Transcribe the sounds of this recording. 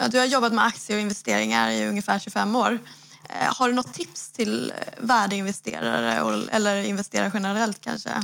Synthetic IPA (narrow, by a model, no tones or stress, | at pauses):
d̪ɵhaɾjɔbːat̪mɛak̚t̪sjəɾɔɪnvɛst̪eːɾɪŋa̰ɾɪɵŋːəfæːʂʉɡfɛmːoːɾ | haɖɵnɔt̪ʰːɪpst̪ʰɪlvæːɖəɪnvɛst̪ḛːɾa̰ɾə̰ɔɛ̰lːəɾɪnvɛst̪eːɾaɾɧɛnəɾɾɛlt̪̚kʰa̰nʂə̰